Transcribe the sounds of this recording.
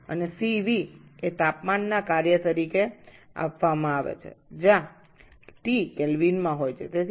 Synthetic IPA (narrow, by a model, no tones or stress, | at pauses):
ə̰nesiʋiet̪apmanːakaɾjət̪əɾike | a̰pʋamãaʋḛt͡ʃʰḛd͡ʒã | ʈikɛlʋinmãɦojt͡ʃʰet̪e